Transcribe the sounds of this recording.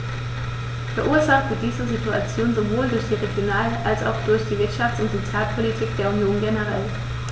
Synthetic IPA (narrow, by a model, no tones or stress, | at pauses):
fɛɐʔuːɐɐzaχtv̥əd̥iːzəzituat͡sjoːnzovoːldʊɐçd̥iːʁeɡjonaːlʔalsa̰ʊxd̥ʊɐçd̥iːvɪɐtʃaft͡sʊntz̥ot͡sjaːlpʰolitʰiːk̚d̥eːɐunjoːnɡenəʁ̞ɛl